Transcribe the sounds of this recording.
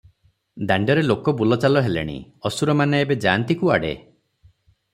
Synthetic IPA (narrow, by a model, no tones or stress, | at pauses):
d̪aɳɖɔɾelokɔbulɔt͡ʃalɔɦelḛɽ̃ḭ | ɔsuɾɔmaneebed͡ʒa̰ːnt̪ikua̰ɽḛ